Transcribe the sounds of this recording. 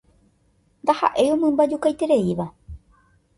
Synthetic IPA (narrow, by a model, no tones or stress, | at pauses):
nd̪aha̰ʔe̞jõmɨ̃mbad͡ʒukajt̪e̞ɾe̞iʋa